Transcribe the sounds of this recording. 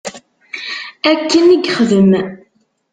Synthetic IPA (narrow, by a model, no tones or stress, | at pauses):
ækːəniɡχəðəm